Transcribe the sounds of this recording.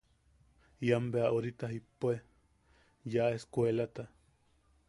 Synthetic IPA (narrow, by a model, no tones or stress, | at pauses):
iambeaʔoɾit̪aɦipoe | jaʔeskʷelat̪a